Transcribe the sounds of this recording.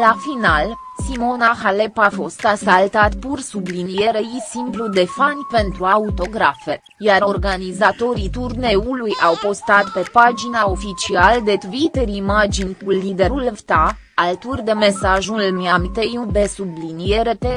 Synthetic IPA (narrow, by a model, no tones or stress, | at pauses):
lafinal | simo̞naxalepafo̞st̪asalt̪at̪pursublinije̞ɾejisimplud̪e̞fanʲpe̞nt̪ɾuaut̪o̞ɡɾafe | jaɾo̞rɡanizat̪o̞ɾit̪urne̞ulujawpo̞st̪at̪pe̞pad͡ʒinao̞fit͡ʃiald̪e̞t̪wit̪eɾimad͡ʒinʲkulid̪eɾulvt̪a | alt̪urʲd̪eme̞saʒulmiamt̪ejub̪esublinije̞ɾet̪e